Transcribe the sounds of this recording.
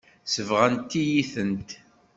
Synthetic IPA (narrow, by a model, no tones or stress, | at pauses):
səvʁænt̪ːijiθənt̪